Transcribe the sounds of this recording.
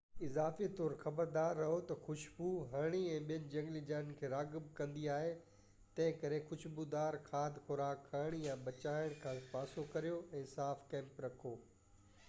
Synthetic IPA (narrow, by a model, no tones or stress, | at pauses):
ɪzaːfit̪ɔːɾxɐbəɾd̪aːɾːɐɦot̪ɐxʊʃbuɦɐɾɽ̃iɛ̃ːɓijənɪ̆d͡ʑɐ̃ŋɡlid͡ʑaːɪn̆kʰeːɾaːɡɪbkɐ̃nd̪iaːɦe | t̪ɐ̃ɦɪ̃kɐɾexʊʃbud̪aːɾxʰaːd̪ʱxʊɾaːkːaːɽ̃ijãbɐt͡ɕaːɪɽ̃kʰãːpaːsokɐɾijoɛ̃ːsaːfkɛ̃ːmpɾɐkʰoː